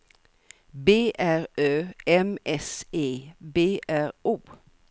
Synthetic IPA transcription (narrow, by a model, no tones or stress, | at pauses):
beːʔæʁøːɛmʔɛseːbeːʔæʁuː